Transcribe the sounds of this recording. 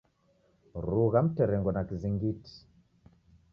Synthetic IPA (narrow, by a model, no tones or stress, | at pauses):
ɾuɣam̩tɛɾɛŋɡɔnakiziŋɡiti̥